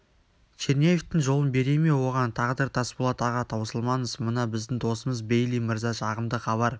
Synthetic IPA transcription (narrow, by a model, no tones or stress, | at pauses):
t͡ʃʰeɾnʲejeft̪ɪŋʒo̞lˠənbe̞ɾe̞me̞wo̞ʁɑnt̪ʰɑʁəd̪ɪɾt̪ʰɑsbolˠɑt̪ɑʁɑt̪ʰɑwsəlˠmɑnəsmənɑbɪzd̪ɪŋd̪o̞səməzbejlimɪɾzɑʃɑʁəmd̪əχɑβɑɾ